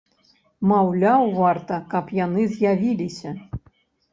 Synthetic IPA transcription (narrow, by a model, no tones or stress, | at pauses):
mɑwlʲawvɑrt̪ɐkɑpjanɨzjavʲilʲisʲɐ